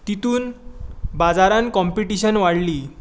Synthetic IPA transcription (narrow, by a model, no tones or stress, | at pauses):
t̪it̪uːnbad͡zaɾãnkɔmpiʈiɕənʋaɽliː